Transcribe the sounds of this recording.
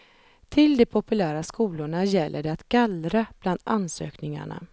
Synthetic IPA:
t̪ʰɪld̪ɛpʰʊpɵlæːɾaskuːlʊɳajɛlːʔəɖɛat̪ɡ̥alɾab̥land̪a̰nsø̰ːknɪŋa̰ɳa̰

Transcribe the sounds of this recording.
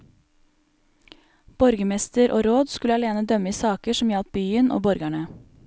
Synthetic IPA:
b̥ɔɾɡəmɛst̪əɾʔo̰ːɾoːd̪skʉləɑleːnəd̪œməiːsɑːkəʃɔmjɑlt̪̚byːənʔo̰ːbɔɾɡæɳə

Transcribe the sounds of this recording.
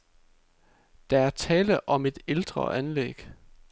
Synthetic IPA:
d̥ɑ̈æɐt͡sʰɛːləʔɒ̽me̝d̥eld̥ʁɐ̰ʔænlḛɡ̥

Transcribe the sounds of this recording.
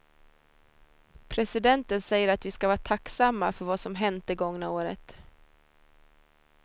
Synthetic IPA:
pʰɾɛsɪd̪ɛnt̪ənsɛjːəɾat̪vɪskavɑːʈ̪ʰaksamːafœɾvasɔmɦɛnt̪əɡɔŋnaoːɾə̰t̪

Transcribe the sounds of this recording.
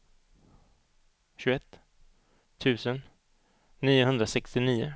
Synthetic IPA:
ɕʉɡɛt̪ːʰ | ʉ̟ːsənː | iːʊɦɵnd̪ɾasɛkst̪ɪniːʊ

